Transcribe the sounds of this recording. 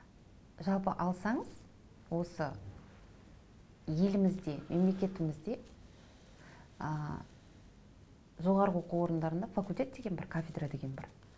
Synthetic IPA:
ʒɑlˠpəʔɑlˠsɑɴəz̥ | wo̞sə | je̞lɪmɪzd̪e̞mʔe̞mle̞kʲe̞t̪ɪmɪzd̪e̞ | ə | ʒo̞ʁɑɾəwo̞quwo̞ɾənd̪ɑɾənd̪ɑfakulʲt̪ʲe̞t̪̚d̪e̞ɡʲenbɪɾkʰafʲed̪rad̪e̞ɡʲe̞nbɪ̰ɾ

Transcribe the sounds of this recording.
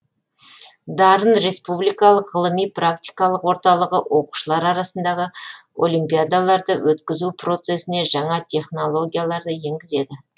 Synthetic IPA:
d̪ɑɾənɾe̞spublijkɑlˠəqʁəlˠəmijprak̚t̪ʲi̥jkɑlˠəqwo̞ɾt̪ɑlˠəʁəwo̞qu̥ʃəlˠɑɾɑɾɑsənd̪ɑʁə | o̞̰lˠijmpʲijad̪alˠɑɾd̪əwʔɵt̪kʲɪzupro̞t̪se̞sɪne̞ʒɑɴɑt̪ʲʰe̞χno̞lˠo̞ɡʲijalˠɑɾd̪əje̞ŋɡʲɪze̞d̪ɪ

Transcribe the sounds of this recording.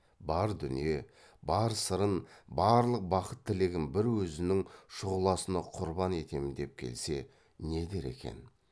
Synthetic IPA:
bɑɾd̪ʏnije̞ | bɑɾsəɾənbɑɾlˠəq̚bɑqət̪ʰːɪle̞ɡʲɪnbɪɾwɵzɪnɪŋʃʊʁəlˠɑsənɑqʰʊɾbɑne̞t̪e̞mɪnd̪e̞p̚kʲʰe̞̰lse̞ | ne̞d̪e̞ɾe̞̰kʲʰe̞̰n

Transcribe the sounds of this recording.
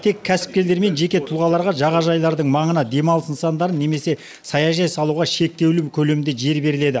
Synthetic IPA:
t̪ʰe̞kʲʰːæsɪ̥p̚kʲe̞ld̪e̞ɾme̞nʒe̞kʲe̞t̪ʰulʁɑlˠɑɾʁɑʒɑʁɑʒɑjlˠɑɾd̪əɴmɑɴənɑd̪e̞mɑlˠəsənsɑnd̪ɑɾənːe̞me̞se̞ | sɑjɑʒɑjsɑlˠuʁɑʃe̞k̚t̪e̞wlɪkʲʰɵle̞mɪnd̪e̞ʒe̞ɾbe̞ɾɪle̞d̪ɪ

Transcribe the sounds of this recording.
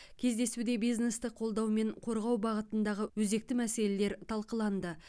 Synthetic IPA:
kʲʰe̞zd̪e̞sud̪e̞bijzne̞st̪ɪqʰo̞lˠd̪ɑwme̞ɴqʰo̞ɾʁɑwbɑʁət̪ənd̪ɑʁəwɵze̞k̚t̪ɪmæse̞le̞le̞ɾt̪ʰɑlˠqəlˠɑnd̪ə

